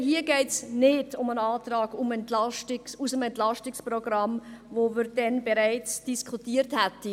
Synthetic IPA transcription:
hiəɡɛɪtsnɪdʊmənɑːtɾɑːɡ̥umɛntlɑʃtɪsusəmɛntlɑʃtɪksprɔɡɾɑmvovɪɾd̥ɛnbɛɾæɪt͡sd̥iskʰutiːəɾthæti

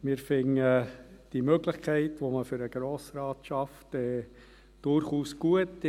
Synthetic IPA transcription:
mɪːɾfɪŋəd̥imøɡlɪχkʰɛɪtʋoməfʏɾəɡ̥ɾoːsɾɑːtʃɑftɛː | d̥ʊrχuːsɡ̥uət

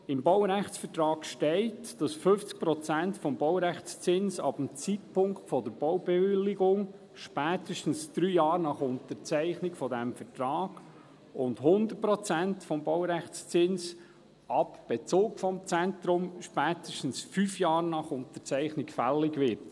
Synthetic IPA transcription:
ɪmbɔwɾæχt͡sfətɾɑːkʃtɛɪtd̥ɑsfɵft͡sk̚pɾɔt͡sæntfɔmbɔwɾæχt͡st͡sɪnsɑ̰bəm̩t͡sitpʰʊŋktfɔd̪əɾb̥ɔwbɛʋɪlːɪɡʊŋ | ʃpæːtəʃtən̩sd̥ɾyːjɑːɾnɑχʊntəɾt͡sɛɪχnɪkfɔdɛmfətɾɑːɡ̥ | ʊndɦʊnd̪ər̚pɾɔt͡sæntfɔmbɔwɾæχt͡st͡sɪns | ɑpb̥et͡soːkfɔmt͡sɛnt̪ɾʊmʃpæːtəʃtn̩sfyːfjɑːɾnɑχʊntət͡sɛɪχnɪkfælːɪɡʋɪɾt

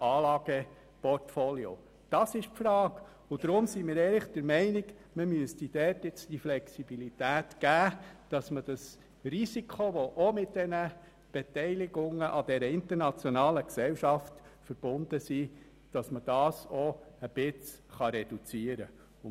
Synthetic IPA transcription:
ɑːlɑːɡ̥ə | pɔrtfolio̰ | d̥ɑsɪʃfɾɑːk | ʊd̪̥ɾʊmsimɪːɾɛɪlɪχd̥əɾmɛɪnɪɡ | məmyəstid̥ɛtjɪt͡stiflɛksibilitæːtɡ̥æːd̥ɑsməd̥ɑs | risikχoʋoʔomɪt̚d̥ɛnə | b̥et̪ɛɪlɪɡʊŋəʔɑd̥ɛɾəɪnt̪əɾnɑt͡sjonɑːləksɛwʃɑftfəɾb̥ʊnd̥̪əsiː | d̥ɑsməd̥ɑːsɔəb̥ɪt͡s | χɑɾɛd̥ut͡siːəɾə | ʊ

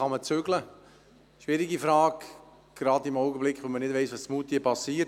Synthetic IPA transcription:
ɑmət͡sʏɡlə | ʃʋɪɾiɡifɾɑːɡ | ɡ̥ɾɑdimɔʊɡəblɪkχʋomənɪdvɛɪsʋɑssmuːtːiəpɑsiːt

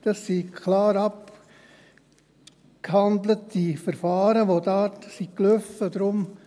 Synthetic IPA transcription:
d̥ɑssikʰlɑːɾɑp | khɑnd̪lətdifəɾfɑːɾəʋodaːtsikløfəd̪ɾʊm

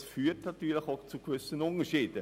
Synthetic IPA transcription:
sfyːtnatyːlɪxoʊt͡suɡʋʏsənʊnəʃiːd̥ə

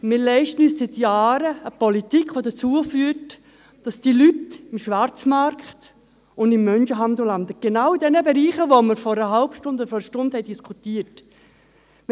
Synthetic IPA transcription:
mɪɾlɛɪʃtən̩yːssɪtjaːɾəəpɔlitikʰχʋodət͡suəfyːt | d̥ɑsd̥ilytɪmʃʋaɾt͡smɑɾkχt | ʊndɪmːœnʃəɦɑndəlɑndəɡ̥enawidɛnəbeɾiːχəvoməɾfɔɾəɦalpʃtʊndɔəfɔɾəʃtʊnd̥hɛɪdiskʰutiːət

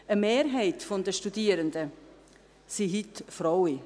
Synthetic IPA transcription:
əmeːɾɦɛɪtfɔndəʃtudiːəɾəndə | siɦitfɾɔwi

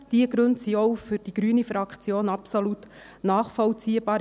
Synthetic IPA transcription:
d̥iəɡɾɵntsiɔwfʏɾd̥iɡ̥ɾyːənifɾɑkt͡sjoːnɑpsolut | nɑːχfɔlt͡siːəbɑː

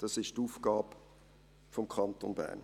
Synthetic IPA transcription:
d̥ɑsɪʃtuːfɡ̥ɑːb | fɔmkʰɑntonbæ̰ːn

